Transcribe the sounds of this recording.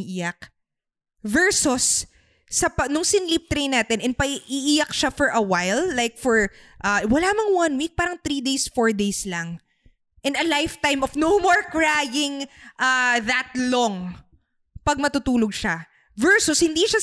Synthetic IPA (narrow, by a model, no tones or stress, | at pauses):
ʔijɐk̚ | vɛɹsʊsː | ɐpɐnʊŋsɪnlip̚t̪ɾejnaːt̪ɛnʔɛn̚pɐʔɪʔijɐk̚ʃafɔɹʔɐwajlːajk̚fɔɹʔawɐlamɐŋwɐnwik̚paːɾɐŋt̪ɾid̪ejsfoɹd̪ejslɐŋ | ʔɛ̃nɐlajft̪ajmʔɔfnowmoɹkɹajɪŋʔaðɐt̪̚lɔŋ | pɐɡ̚mɐt̪ut̪uːloɡ̚ʃa | vɛɹsʊshɪnd̪iʃa